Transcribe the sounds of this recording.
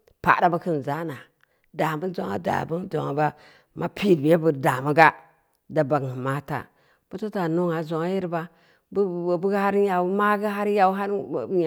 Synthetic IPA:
pa̰˨da˦ba˦ki˦n˨za˦na˨ | da˨bu˦n˦zo˦ŋa̰˦da̰˨bu˦n˦d͡ʒo̰˨ŋa˨ba˦ | ma˦pʰi˦˨dbje˦bu˨da˨mu˦ɡa˦ | da˨ba˨ɡi˨ma˦ta̰˨ | b̥u˦to˦ta˨nu˦ŋa˨zo˨ŋa˦ji˦ɾba˦ | bbu˦ɡha˦ɾja˨u˦ma˦ɡi˦ɦa˦ɾja˦wɦa˦ɾ

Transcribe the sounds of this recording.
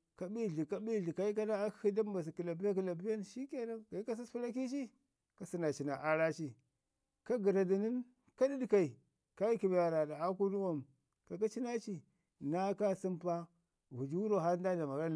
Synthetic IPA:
ka˨bi˦˨ɮi˨ka˦bi˦˨ɮi˨ka˨i˦ka˦na˦a˦hi˦da˦m˦ba˨s̬i˨ku˨la˨bi˦ja˦ki˨la˨bi˦ja˦n˨ʃi˦ke˦na˦ɡa˨i˦ka˦s̬i˦spu˦ɾa˦ki˦t͡ʃi˦ | ka˨si˦na˨t͡ʃi˨na˨ʔa˦ɾa˦t͡ʃi˦ | ka˦ɡi˨ɾa˨di˨ni˦n | ka˦di˦di˨ka˨i˨ | ka˦i˦ki˨bja˨ɾa˨da˨a˦ku˦nu˦wo˦˨m˨ | ka˨ka˦t͡ʃi˦na˦t͡ʃi˦ | na˦ka˦si˦mpa˦ | vu˨d͡ʒi˦wu˦ɾo˦˨ɦa˦da˦˨da˨ma˨˦a˦˨

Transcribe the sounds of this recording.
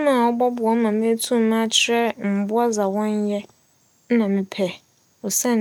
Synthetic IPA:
mãː˦˨ɔ˦bɔ˦bʊ˨ɔ˨˦mã˨mẽ˦tʰũ˦m˦mã˦t͡ɕʰɪ˦ɾɛ˦m̩˨bʊ˦a˦za˨wɔ̃˦n˦jɛ˦ | nã˨mɪ̃˨pʰɛ˨ | ɔ˨sɛ̃˦˨n

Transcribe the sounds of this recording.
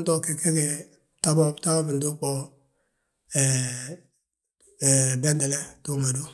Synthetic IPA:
ntɔ˦ke˨ke˦ke˨ | ta˦bɔ˦bta˦bɔ˦bɪ˨ndu˦k͡pɔ˦ | ɛ˨ | bɛ˦ndɛ˨lɛ˦tu˦ŋa˨du˦

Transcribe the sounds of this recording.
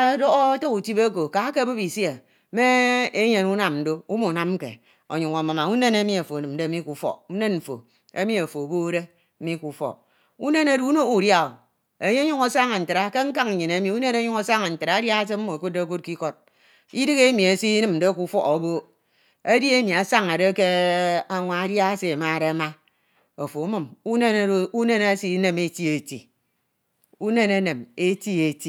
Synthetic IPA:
do˦ɣto˦ku˨ti˦be˦ko˨ka˨˦ke˦bɨ˦pi˨sje˨ | me˦e˦ɲe˨nu˦na˨mn̩˨do˦u˦mu˨na˦m˦kḛ˨ | o̰˨ɲu˨ŋa˨ma˨ma˨u˦ne˦ne˦mi˦e˨fo˨nɨ˨m̩˨de˦mi˦ku˨fɔ̰˦u˦ne˦n̩˨fo̰˨ | e˦mi˦e˨fo˨bo˦ɾe˦ | m̩˦mi˦ku˨fɔ̰˨ | u˦ne˦ne˦du˦u˦no˦u˨dja˨o˨ | e˨ɲe˦ɲu˦ŋo˨sa˦ŋa˨n̩˨tɨ˨ɾa˦ke˦ŋ̩˦ka˦ŋ̩˨ɲe˨ne˨˦mi˨u˦ne˦ne˦ɲu˦ŋo˦sa˦ŋa˨n̩˨tɨ˨ɾa˨a˦dja˦a˦se˦m̩˦mo˨e˨ko˦de˦ko˦t̚ki˦ko˦d̚ | i˦dɨ˦ɣe˦mi˨e˨si˦i˦nɨ˦mn̩˨de˦ku˦fɔ˦o˨˦bo˦ | e˦di˦e˦mi˨a˨sa˦ŋa˨de˦ke˦a˨ŋʷa˨a˦dja˦a˦se˨ma˦˨ɾe˦a˦ma˦ | o˨fo˨u˦mɨ˨mu˦ne˦n˦u˦ne˦ne˦si˦ne˦me˦ti˦e˨tḭ˨ | u˦ne˦ne˦ne˨me˦ti˦e˨ti˦

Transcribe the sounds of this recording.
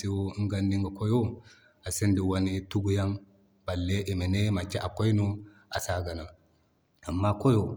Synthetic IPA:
i˨wo˦ŋ˦ɡa˦ndi˦ŋɡa˨ko˦jo˦ | a˨se˦ndi˨wa˦ni˦tu˦ɡu˨ja˦ŋ | b̥a˨lːe˦ʔi˨me˨ne˦ma˨t͡ʃːe˦a˨ko˦jnu˦ | a˨sa˨ɡa˨na˨ | a˨mːa˦ko˦jo˨

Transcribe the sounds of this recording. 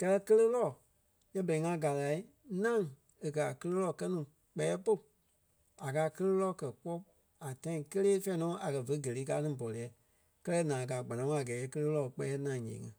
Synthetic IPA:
kɛ˦˧lɛ˦kə˦lə˦lɔ˦˨ | jɛ˦bɛ˨i˨ŋã˧˦ɡa˨la˨i˦ | nã˦˨ŋ | e˨kɜ˨a˨kə˧lə˦lɔ˦˨kɜ˦nũː˨ | k͡pɛ˨˦ɛ˦po˦˨ | a˨kaː˧˦kə˦lə˦lɔ˦˨kɜ˨k͡pɔ˦ | a˨tã˦ĩ˧kə˦leː˦fɛ̃˦nɔ̃ː˨˦ʔa˨kɜ˨və˧˦ɡə˨leː˨˦k̬aː˧˦nĩ˦˨bɔ˨lɛ˨˦ | kɜ˦lɛ˦nãː˨kaː˨ɡ͡ba˨nã˨ŋ˦a˨ɡɛː˨˦jɛ˦kə˧lə˦lɔ˦˨˦k͡pɛ˧˦ɛ˦nã˨ɲḛ̃ː˨ŋɛ̰̃˨

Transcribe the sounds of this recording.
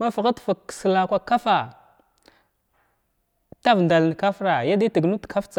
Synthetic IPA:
ma˦fa˨ɣa˦tfa˨ksə˨la˨kʷa˨ka˦fa˨ | ta˦vnda˨ln˨ka˦fɾa˨ja˦di˦ti˨ɡnu˦tkʰa˦ft͡sa˨

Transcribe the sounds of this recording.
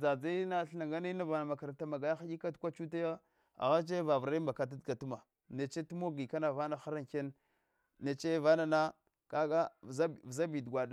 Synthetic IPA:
d͡za˨d͡za˦na˦ɬna˨ŋɡa˦na˦na˦va˨na˨ma˨ka˨ɾa˨ta˨ma˨ɡa˨ja˦xa˦i˦ka˦tkʷa˦t͡ʃu˦ta˦ja˦ | a̰˨ɣa˦t͡ʃ̬e˦va˨vɾa˦i˦mba˨ka˨t̬a˦dɡa˨tu˦ma˨ | ne˨t͡ʃe˦tu˦mo˦ɡi˨ka˦na˨va˦na˨xa˦ɾa˦ŋke˦n | ne˨t͡ʃe˦va˦na˨na˦ | ka˦ɡa˦˨za˦˨vza˦bi˨dɡʷa˨da˦˨

